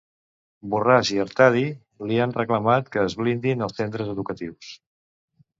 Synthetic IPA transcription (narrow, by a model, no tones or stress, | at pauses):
buraziəɾt̪aði | lianrəkləmat̪kəːzβlind̪inəlˠsent̪ɾəzəðukət̪iws